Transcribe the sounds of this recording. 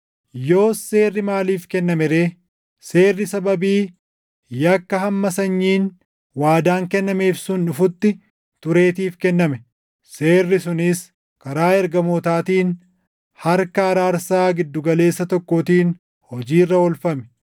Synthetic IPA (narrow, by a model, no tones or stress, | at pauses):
jo̞ːse̞ːrːɪmaːliːfkɛnːɐmɛɾe̞ː | se̞ːrːɪsɐbɐbiː | jɐkːɐɦɐmːɐsɐɲːiːn | waːd̪aːŋkɛnːɐme̞ːfsʊnᶑʊfʊt̪ːɪ | t̪ʊɾe̞ːt̪iːfkɛnːɐmɛ | se̞ːrːɪsʊnɪs | kɐɾaːɛɾɡɐmoːt̪aːt̪iːn | hɐɾkɐɐɾaːɾsaːɡɪd̪ːʊɡɐle̞ːsːɐt̪ɔkːoːt̪iːn | hɔd͡ʒiːrːɐɔlfɐmɛ̥